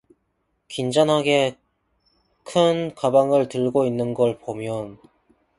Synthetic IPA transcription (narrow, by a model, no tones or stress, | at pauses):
kind͡ʑʌnɦaɡe̞ | kʰɯnkabaŋɯɭtɯɭɡoinːɯnɡʌɭpomjʌn